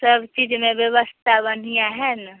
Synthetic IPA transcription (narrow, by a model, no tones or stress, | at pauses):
səbt͡ʃiːd͡ʒmẽbjəβəst̪ʰabən̤ijaɦɛn